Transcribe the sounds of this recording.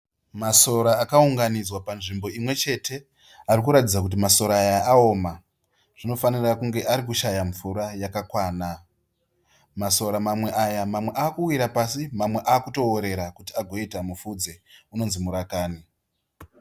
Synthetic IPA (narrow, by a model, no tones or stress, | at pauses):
maso̞ɾaːkauŋɡanid͡zwapanʐimbo̞imwe̞t͡ʃe̞tʰe̞ | arikuɾatid͡zak̬ut̬imaso̞ɾaːjaːo̞ːma | ʐ̥ino̞fanirakuŋɡe̞ʔaɾikuʃajaɱvuɾajakakwaːna | maso̞ɾamamwe̞ʔajamamwe̞ʔaːkuwiɾapasimamwe̞ʔaːkuto̞ːɾe̞ɾakutiaɡʱo̞itamufud͡ze̞uno̞nzimuɾakaːni